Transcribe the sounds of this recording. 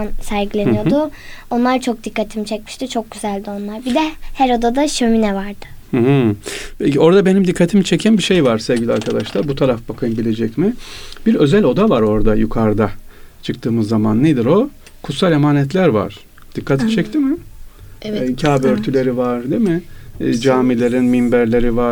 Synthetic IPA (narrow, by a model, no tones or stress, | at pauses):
ansæɾɟilʲe̞nijo̞d̪ʊo̞nlˠaɾt͡ʃʰo̞k̚d̪ikːat̪ʰimit͡ʃʰɛcmiʃt̪it͡ʃʰo̞k̚ɟ̥yzælʲd̪io̞nlˠaɾbid̪ɛhæɾo̞d̪ad̪aʃøminɛvaɾd̪ɯ̥h̩ɦ̩peo̞ɾd̪abe̞nimd̪ikʰːat̪ʰimit͡ʃʰecʰænbiʃejvaɾsɛvɟʲilʲiaɾkʰad̪aʃlˠaɾbut̪ʰaɾafbakʰɯjɯmbilʲe̞d͡ʒɛcmɪbiɾø̞zælʲo̞d̪avaɾo̞ɾd̪ajukʰaɾd̪at͡ʃʰɯk̚t̪ʰɯːmɯzːamanːed̪iɾo̞ | kʰut̪salʲemaːnɛt̪lʲæɾva̰ɾ̥ | d̪̥ikʰːat̪ʰimt͡ʃʰɛct̪ʰimɪ | cʰaːbøɾt̪ʰylʲe̞ɾivaɾd̪emɪd͡ʒaːmilʲe̞ɾinmimbæɾlʲe̞ɾiva